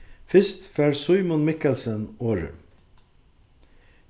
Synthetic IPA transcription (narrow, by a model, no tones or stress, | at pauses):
fɪst̪fæːɹsʊʏmʊnmɪkɛlsənoːɹʉ̰